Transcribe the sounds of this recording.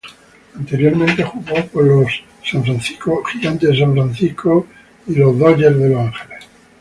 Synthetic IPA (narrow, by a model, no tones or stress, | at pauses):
ant̪e̞ɾjoɾmẽnt̪e̞xuɣopolosː | ãɱfɾanθi̥skoxiɣant̪es̬ãɱfɾanθihkʰo | ilozðoʎezðe̞losãŋxeless